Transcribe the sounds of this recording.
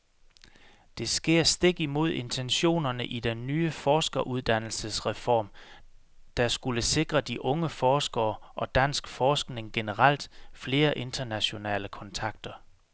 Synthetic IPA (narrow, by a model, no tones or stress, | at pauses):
d̥e̝sɡ̥e̝ɐ̰sd̥e̝ɡ̥imo̝ð̞̰ˠe̝nt͡sʰenɕo̝̰ːnɐnəʔid̥enːyːəfɒːsɡ̥ɐʔuð̞ˠd̥æn̰l̩səsʁɛfɒ̰ːm | d̥æsɡ̥uləse̝ɡ̥ʁɐd̥iʔɔ̽ŋəfɒːsɡ̥ɐːʔɒ̽d̥æn̰sɡ̥fɒːsɡ̥ne̝ŋɡ̥e̝nəʁɑl̰d̥fle̝ːɐʔe̝nd̥ʰɐnæɕo̝nɛ̰ːləkʰɒ̽nt͡sʰɑ̈ɡ̥̚d̥ɐ